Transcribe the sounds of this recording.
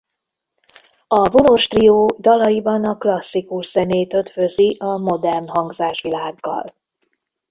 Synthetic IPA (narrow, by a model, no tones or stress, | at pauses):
ɒvonoʃt̪rijoːd̪ɒlɒjibɒnɒklɒsːikuʃz̥ɛneːt̪ø̞t̪føziʔɒmo̞d̪ɛrnɦɒŋɡzaːʃʋilaːɡːɒ̰l